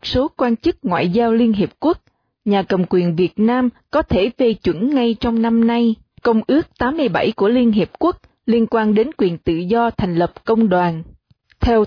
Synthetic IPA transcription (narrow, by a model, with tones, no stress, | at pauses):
t̚so˨˦kwaː˧nt͡ɕɨ˦˥k̚ŋwa̰ː˧˨jzaː˧wli˧ənɦi˨˩əp̚ku˦˥ək̚ | ɲaː˨˩kə˨˩mkwi˨˩ənvi˨˩ət̚naː˧mkɔ˨˦t̪ʰe˧˩ve˨˩t͡ɕwə̰˧˩nŋa˧jt͡ɕɔ˧wŋ͡mna˧mna˧j | kə˧wŋ͡mʔɨ˦˥ək̚t̪aː˨˦mːɨ˧əjɓa˧˩jku˧˩əli˧ənɦi˨˩p̚ku˦˥ək̚ | li˧ənkwaː˧nɗe˨˦nkwi˨˩ənt̪ɨ̰˧˨zɔ˧t̪ʰɛ˨˩ŋ̟lə˨˩p̚kə˧wŋ͡mɗwaː˨˩n | t̪ʰɛ˧w